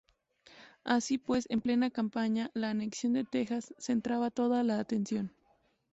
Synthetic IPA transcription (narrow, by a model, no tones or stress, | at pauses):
asipwe̞se̞mple̞nakampaɲalaːne̞ksjo̞nd̪e̞t̪e̞xasːe̞nt̪ɾaβat̪o̞ðalaːt̪e̞nsjo̞n